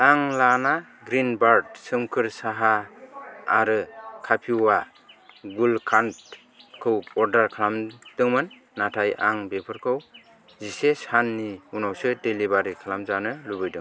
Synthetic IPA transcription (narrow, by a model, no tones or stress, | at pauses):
aŋlana | ɡɾinbaɾd̚sɯmkʰɯɾsaɦa | aɾɯkʰapʰiwa | ɡulkʰant | kʰɯwɔɾdaɾkʰlamd̥ɯŋmɯnː | atʰajʔa̰ŋbepʰɯɾkʰɯw | zisesanːiunawsɯdelibaɾikʰlamzanɯlubɯjdɯ̰ŋ